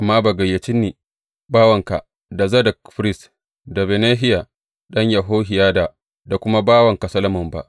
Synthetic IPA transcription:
ʔa˨mːaː˦ba˨ɡɐ˨jːa˨t͡ʃɪ˦nːiː˨ | baː˦wɐ˨ŋka̰˨ | da˨zɐ˦dɐ˨k̚ɸɾɪ˦s | da˨be˨neː˦ɦɪ˦ja˨ | ɗɐ˦ɲja˨ɦoː˦hɪ˨jaː˦da˨ | da˨kʷʊ˦ma˦baː˦wɐ˨ŋka˨sɐ˦lɐ˦mʊ˨mba̰˦˨ʔ

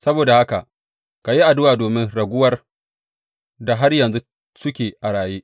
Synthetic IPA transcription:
sɐ˦boː˨da˨ha˦ka˨ʔ | ka˨ji˦ʔa˨dʊ˦waː˨doː˨mɪ˦nɽɐ˨ɡʷʊ˦wɐ˦r | da˨ɦa˦rjɐ˨nzu˦ | sʊ˦kʲeː˨ʔa˨ɽaː˨jeː˦ʔ

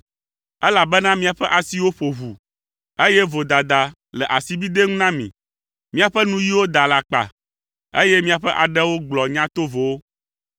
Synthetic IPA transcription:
ɛ˦la˨bɛ˦nã˦mĩ˦a˨ɸɛ˦ʔa˨si˦wo˦ɸo˨ɦu˨ | e˦jɛ˦vo˨d̪a˨d̪a˨ | lɛ˨ʔa˨si˦bi˦d̪e˦ŋũ˦nã˦mḭ̃˨ | mĩ˦a˨ɸɛ˦nũ˦ji˦wo˦d̪a˨la˨k͡pa̰˨ | ḛ˦jɛ˦mĩ˦a˨ɸɛ˦ʔa˨ɖɛ˦wo˦ɡ͡blɔ˨ɲã˦t̪o˦vo˨wo˦

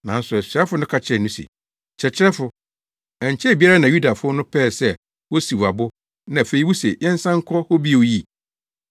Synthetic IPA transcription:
nã˨n̩˦sʊ˨ɛ˨sa˦fʊ˨˦nʊ̃˦kʰa˦t͡ɕʰɛ˦˨nũ˦sḭ˨ | t͡ɕʰɛ˨t͡ɕʰɪ˦ɾɛ˦fʊ˨ | ɛ˨ɲ˨t͡ɕʰɛ˦˨bi˦a˦ɾa˦nã˨ju˦da˨fʊ˦ɔ˦nʊ̃˦pʰɛː˦˨sɛ˦˨ | wo˦si˨wa˨bʊ˦ | nã˨fe˨i˦wu˦se˨jɛ̃˦n˦sã˦ŋ̩˦kʰɔ˦hɔ˦bi˦˨wo˦ji˦˨

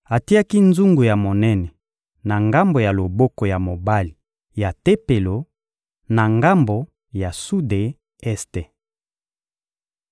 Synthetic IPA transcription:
a˨ti˦a˦ki˦nzu˦ŋɡu˨ja˨mo˨nɛ˦nɛ˨ | na˨ŋɡa˦mbo˨ja˨lo˨bɔ˦ko˨ja˨mo˨ba˦li˨ | ja˨te˦pe˨lo˨ | na˨ŋɡa˦mbo˨ | ja˨su˦de˦ | ɛ˦ste˨

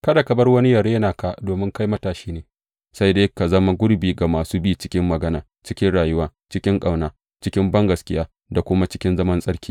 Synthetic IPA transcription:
kɐ˦da˨kɐ˨bɐ˦rwɐ˦ni˦jɐ˨ɾe˦naː˨ka˦doː˨mɪ˦ŋka˦jmɐ˦taː˨ʃiː˦neː˨ | sa˦jdeː˦jka˨zɐ˦ma˦ɡʷʊ˦ɽɾbiː˨ɡa˨maː˨suː˦biː˦˨t͡ʃɪ̥˦kʲɪ˦mːɐ˨ɡɐ˦naː˨ | t͡ʃɪ˦kʲɪ˦nɽaː˨jʊ˦waː˦ | t͡ʃɪ˦kʲɪ˦ŋkʼa˨wnaː˦ | t͡ʃɪ˦kʲɪ˦mbɐ˦ŋɡɐ˨skʲɪ˦jaː˦ | da˨kʷʊ˦ma˦t͡ʃɪ̥˦kʲɪ˦nzɐ˦mɐ˦nsʼɐ˦ɽkʲiː˦

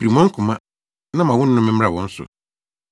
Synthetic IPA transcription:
bi˨ɾi˨mɔ̃˦ŋ̩˦kʰʊ̃˨mã˦ | nã˦mã˨wʊ̃˦n̩˦nʊ̃˦mɪ̃˦m˦ɾa˨wɔ̃˨˦n̩˦sʊ̰˨

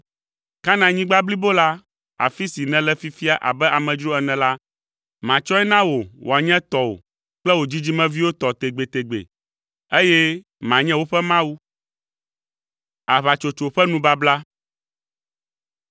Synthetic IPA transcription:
ka˦nã˨ɲĩ˦ɡ͡ba˦bli˦bo˦la˦ | a̰˨fi˦si˨nɛ̃˨lɛ˦fi˦fi˦a˦ʔa̰˨bɛ˦ʔa˨mɛ̃˨d͡ʒɾo˦ɛ˨nɛ̃˨la˦ | mã˨t͡ʃɔ˦ɛ˦nã˦wo˨wʔo̰˨a˨ɲɛ̃˦t̪ɔ˨wo̰˨ | k͡plɛ˦wo˨d͡ʑi˦d͡ʑi˦mɛ̃˦vi˦wo˦t̪ɔ˨t̪e˨ɡ͡be˨t̪e˨ɡ͡bḛ˨ | e˦jɛ˦ | mã˨ɲɛ̃˦wo˦ɸɛ˦mã˦wu˦ | a˨βa˨t͡ʃo˨t͡ʃo˨ɸɛ˦nũ˦ba˦bla˦

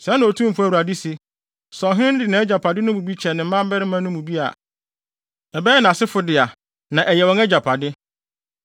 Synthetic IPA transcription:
sɛ˨˦nã˨o˨tʰũ˦m̩˨fu˦æ˨wu˨ɾa˨di˦si˨ | sɔ̃˨ɦɪ˦ɪ̃˦n˦dɪ˨nã˨˦ɛ˦d͡ʑa˨pʰa˨dɪ˦nʊ̃˦mũ˨bi˦t͡ɕʰɛ˨nɪ̃˨m̩˦mã˦m˦bɛ˦ɾɪ˦mã˦nʊ̃˦mũ˨bi˦a̰˨ | ɛ˨bɛː˦nã˨a˨sɪ˦fʊ˦dɪ˨a˨ | nã˨ʔɛ˨jɛ˨wɔ̃˨˦ɛ˦d͡ʑa˨pʰa˨dɪ˦

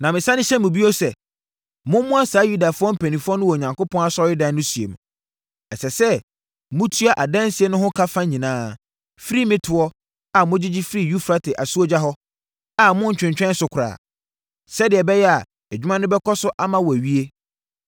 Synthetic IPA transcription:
nã˨mɪ̃˨sã˦nɪ̃˦ɕɛ˦mʊ̃˨bi˦ɔ˦sɛ˨ | mʊ̃˦mʊ̃˦a˦saː˨˦ju˦da˨fʊ˦ɔ˦m̩˦pʰæ̃˨nĩ˨fʊ˦ɔ˦nʊ̃˦wɔ˨ɲã˨ŋkʊ˦pʰɔ̃˦na˨sɔ˦ɪ˦dã˦nʊ̃˦su˨ḛ˨m̃˨ | ɛ˨sɛ˨sɛ˦ | mʊ̃˦tʰu˦a˨ʔa˨dã˦n˦si˦e˦nʊ̃˦ɦʊ̃˦kʰa˦fã˦ɲĩ˨nãː˦ | fi˦ɾi˦mɪ̃˦tʰʊ˨ɔ˦ | a˨mʊ̃˦d͡ʑɪ˦d͡ʑɪ˦fɾi˦˨ju˦fɾa˦tʰɪ˨ʔa˨su˦o˦d͡ʑa˦ɦɔ˦ | a˨mʊ̃˦ɲ̩˦t͡ɕᶣɪ̃˨ɲt͡ɕᶣɛ̃˦n˦sʊ˨kʰʊ˨ɾa̰ː˨ | sɛ˦dɪ˨ɛ˨bɛ˦jɛ˦a˨ | æ˨d͡ʑᶣy˦mã˦nʊ̃˦bɛ˦kʰɔ˦sʊ˦ʔa˦mã˨wɔ˨æ˨ɥi˦e˦

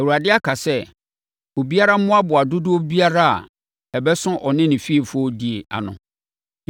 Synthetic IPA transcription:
ɛ˨u˨ɾa˨dɪ˦a˦kʰa˨sɛ˦ | o˨bi˦a˦ɾa˦mʊ̃˦a˦bʊ˨a˨dʊ˦dʊ˦o˦bi˦a˦ɾa˦a̰˨ | ɛ˨bɛ˦sʊ̃˦ʔɔ˨nɪ̃˦nɪ̃˨fi˦e˨fɔ˦di˨e˨a̰˨nʊ̰̃˨

